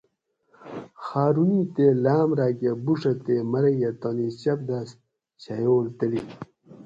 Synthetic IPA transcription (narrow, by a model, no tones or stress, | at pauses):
xaːɾunit̪elaːmɾaːɡebuʂɐt̪emɐɾejet̪oniɕɐp̚d̪as | ɕajoːlt̪əli